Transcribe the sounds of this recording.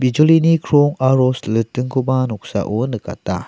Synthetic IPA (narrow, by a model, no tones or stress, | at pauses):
bid͡ʒolinikʰɾoŋaɾoslɯtɯŋkʰubanɔk̚sa̰ʔonɯka̰ta